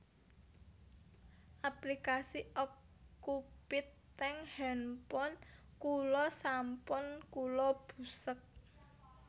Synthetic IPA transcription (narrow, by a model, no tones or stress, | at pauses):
ʔaplikasiʔɔkː | upɪt̪ː | ɛŋhɛnpɔn | kulɔsampʊnkulɔb̥ṳsək̚